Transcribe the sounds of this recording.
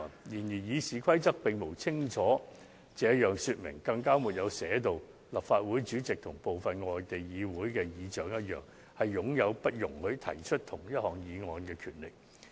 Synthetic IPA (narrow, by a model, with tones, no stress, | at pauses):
jiː˨˩njiː˨˩jiː˨˧siː˨kʰɐ˥jt͡sɐ˥k̚pɪ˨ŋmo˨˩wt͡sʰɪ˥ŋt͡ʃʰɔː˨˥ | t͡sɛː˨˥ɐ˥t̚jœː˨˩ŋsyː˧t̚mɪ̰˨˩ŋkɐ˧ŋkaː˥muː˨˩t̚jɐ˨˧wsɛː˨˥t̪o˨w | lɐ˨pfaː˧t̚wuː˨˥jt͡ʃyː˨˥t͡sɪ˨k̚t̪ʰʊ˨˩ŋpo˨wfɐ˨nŋɔː˨˧jt̪e˨jjiː˨˧wuː˨˥jkɛː˧jiː˨˧˥t͡ʃœː˨˥ŋjɐ˥t̚jœ̰ː˨˩ŋ | hɐ˨jːʊ˨˥ŋjɐ˨˧wpɐ˥t̚jʊ˨˩ŋhɵ˨˧˥ɥt̪ʰɐ̰˨˩jt͡ʃʰɵ˥t̚t̪ʰʊ˨˩ŋjɐ˥t̚hɔː˨˩ŋjiː˨˧ŋɔː˨˧nkɛː˧kʰyː˨˩nlɪ˨k̚